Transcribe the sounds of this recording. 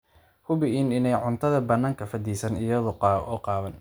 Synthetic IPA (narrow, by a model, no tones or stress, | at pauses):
hʊβɪinɪnɛjʕʊnt̪ʰɐðɐbɐnaːŋkʰɐfɐd̪iːsɐnɪjɐðɔɔːqɑːβɐn